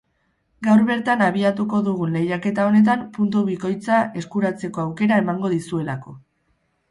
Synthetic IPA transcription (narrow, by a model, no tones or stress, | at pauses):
ɡawɾβe̞ɾt̪anaβ̞iat̪uko̞ðuɣ̞unle̞jake̞t̪ao̞ne̞t̪̬ampunt̪uβiko̞jt͡sae̞skuɾat͡se̞ko̞awke̞ɾae̞maŋɡo̞ðisue̞lako̞